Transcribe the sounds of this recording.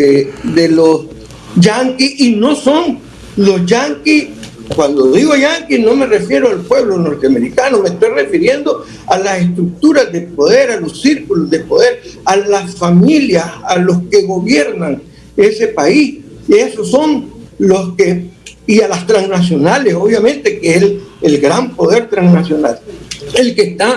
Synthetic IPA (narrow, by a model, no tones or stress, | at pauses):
ed̪elos | d͡ʒaŋkisino̞so̞n | lo̞sd͡ʒaŋkis | kwand̪o̞ðiɣoʝaŋkino̞me̞re̞fje̞ɾoalpwe̞βlo̞no̞ɾt̪eame̞ɾikano̞mest̪o̞jre̞fiɾje̞nd̪o̞ | alase̞st̪ɾuk̚t̪uɾazd̪e̞po̞ðe̞ɾalo̞ssiɾkulozd̪e̞po̞ðe̞ɾalasfamiljasalo̞ske̞ɣo̞βje̞ɾnaŋ | e̞se̞pais | ie̞soso̞nloskeialast̪ɾansnas̬jo̞nale̞so̞βjamẽ̞nt̪e̞keeselɡɾampo̞ð̞e̞ɾt̪ɾaŋsnasjo̞nale̞lkest̪a